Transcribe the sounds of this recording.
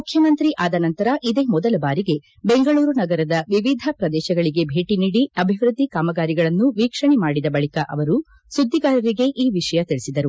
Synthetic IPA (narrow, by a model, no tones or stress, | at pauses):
mukʰjɐmɐnt̪ɾiʔaːd̪ɐnɐnt̪ɐɾɐʔid̪eːmɔd̪ɐlɐbaːɾiɡe̞ | be̞ŋɡɐɭuːɾunɐɡɐɾɐd̪ɐʋiʋid̪ʱɐpɾɐd̪ɛːʃɐɡɐɭiɡe̞bʱeːʈiniːɽiɐbʱiʋɾud̪ʱːikaːmɐɡaːɾiɡɐɭɐnːuʋiːkʂɐɳɛmaːɽid̪ɐbɐɭikɐʔɐ̰ʋɐɾu | sud̪ʱːiɡaːɾɐɾiɡe̞ʔiːʋiʂɐjɐt̪iɭisid̪ɐɾu